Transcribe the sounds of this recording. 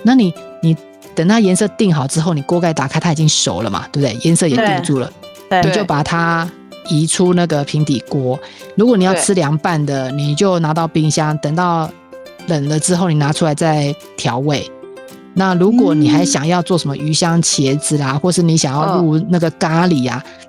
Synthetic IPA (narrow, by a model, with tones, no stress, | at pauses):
na˥˩ni˨˩˦ni˨˩ | t̪ə˨˩ŋt̪ɑ˥˩ʊjɛ˧˥nsɤ˥˧t̪i˥˩ŋxɑ˨˩ʊʈ͡ʂɻ̩˥xo˥˩ʊni˨˩kwɔ˥ka˥ɪt̪a˨˩kʰa˥a˥˨t͡ɕi˦ŋʂo˨˩ʊlə̰˦ma̰˩t̪wbd̪e˥˩jɛ˧˥nsɤ˥˩jɛ˨˩˦t̪i˥˧ŋʈ͡ʂu˥˩lə̰˩ | i˨˩t͡ɕjo˥˩ʊpa˨˩t̪ʰa˦ | i˧˥ʈ͡ʂʰu˥na˥˩ɡə˩pʰi˧˥ŋt̪i˨˩kwɔ˥lu˧˥kwɔ˧˦ni˨˩jɑ˥˩ʊt͡s̩ʰ˥ljɑ˧˥ŋpa˥˩nd̪ə˩ni˨˩t͡ɕjo˥˩ʊna˧˥t̪ɑ˥˧ʊpi˥˧ŋɕjɑ˥ŋt̪ə˨˩ŋt̪ɑ˥˩ʊ | lə˨˩ŋlə˦ʈ͡ʂɻ̩˥xo˥˩ni˨˩na˧˥ʈ͡ʂʰu˥la˧˥ɪt͡sa˥˩ɪ | t̪ʰjɑ˧˥ʊwe˥˩ɪ | na˥˩lu˧˥kwɔ˨˩ni˨˩xa˧˥ɪɕjɑ˨˩ŋjɑ˥˧ʊt͡swɔ˥˩ʂə˧˥nmə̰˧ʔy˧˥ɕjɑ˥ŋt͡ɕʰjɛ˧˥d͡zɹ̩˩a˨xwɔ˥˧ʂɻ̩˥˩ni˧˥ɕjɑ˨˩ŋjɑ˥˧ʊlu˥˧na˥˩ɡə˩ka˥li˨˩a̰˦